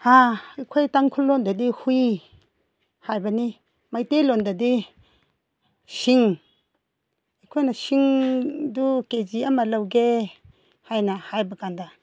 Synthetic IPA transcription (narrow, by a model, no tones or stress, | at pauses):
aikʰojtaŋkʰulːɔndadihuj | hajbani | majtelondadi | siŋ | ikʰojnasiŋduked͡ʒiamalawɡe | hajnahajbakanda